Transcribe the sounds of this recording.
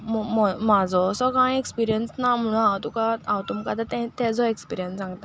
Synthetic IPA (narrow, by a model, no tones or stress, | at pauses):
məmɔmad͡zɔsɔkãĩekspiɾijənsnam̤əɽ̃ũnãwt̪ukaãwt̪umkat̪at̪ɛ̃t̪ɛ̃d͡zɔekspiɾijənsd͡zãŋɡt̪a